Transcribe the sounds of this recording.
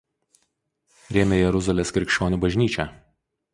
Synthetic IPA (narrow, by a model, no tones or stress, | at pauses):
ɾʲɛːmʲeːjɛɾʊzɐlʲeːskɾʲɪkʃʲt͡ʃʲoːnʲuːbɐʒʲnʲiːt͡ʃʲɛː